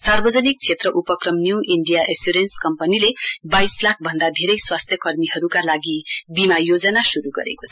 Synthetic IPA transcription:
sarbʌd͡zʌnik̚t͡sʰet̪rʌʔupʌkrʌmnjuʔiɳɖijaʔesjuɾenskʌmpʌnilebajslak̚ʰbʱʌnd̪ad̪ʱeɾʌjswast̪ʰjʌkʌrmiɦʌɾukalaɡibimajod͡zʌnasuɾuɡʌ̰ɾḛkot͡sʰʌ

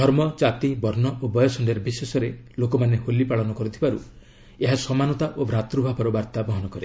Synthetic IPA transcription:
d̪ʱɔɾmɔt͡ʃat̪ibɔɾnɔobɔjɔsɔnɖeɾbisesɔɾelokɔmaneholːipaɭɔnɔkɔɾut̪ʰibaɾu | eɦasɔmanɔt̪aʔobɾat̪ɾubʱapɔɾɔbaɾt̪abɔɦɔnɔkɔɾe

